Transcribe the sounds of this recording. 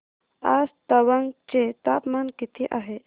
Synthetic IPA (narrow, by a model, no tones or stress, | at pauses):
aːst̪ɐwɐŋɡt͡ʃet̪aːpmankit̪ʰiʔaɦe